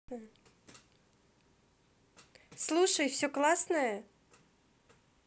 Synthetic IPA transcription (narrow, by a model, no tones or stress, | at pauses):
slˠuʂəjfsʲoklˠasnəjə